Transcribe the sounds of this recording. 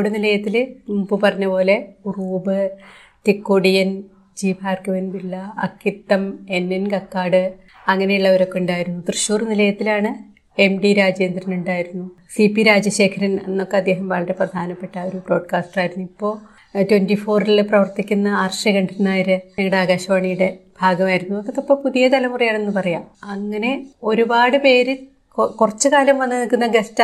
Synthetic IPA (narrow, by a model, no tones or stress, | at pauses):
ɽenilɐjɐt̪ːilubɨpɐrɐɲːɐpo̞ːle̞uruːbɨ | tikːoɽijɐn | d͡ʑiːbʱaːrkɨʋenbilːɐɐkːit̪ːɐme̞nːenkɐkːaːɽɨ | ɐŋːɐne̞juɭːɐʋɐɾo̞kːeuɳɖaːjiɾunːut̪rɨɕuːrnilɐjɐt̪ːilaːɳɨ | e̞mɖiɾaːd͡ʑe̞ːnd̪ɾɐnuɳɖaːjiɾunːu | sipːiɾaːd͡ʑɐɕe̞ːkʰɐɾɐnenːo̞kːeɐd̪ːe̞ːɦɐmʋaːɭɐɾeprɐd̪ʱaːnɐpːe̞ʈːɐo̞ɾubro̞ːɖkaːsʈraːjiɾunːuipːo̞ː | twendifo̞ːrilprɐʋɐrt̪ikʲːunːɐaːrɐʂɐkɐɳɖiɾunːaːjɐɾɨɲɐŋːɐɽeaːɡaːɕɐʋaːɳijuɽe̞bʱaːɡɐmaːjiɾunːuokːek̪ːɐpːoːpuðijɐd̪ɐlɐmurijaːɳe̞nːɨpɐrɐjaːmɐŋːɐne̞o̞ɾubaːɽɨpe̞ːɾɨ | kurɐt͡ɕːɨkaːlɐmʋɐnːɨnilkːunːɐɡest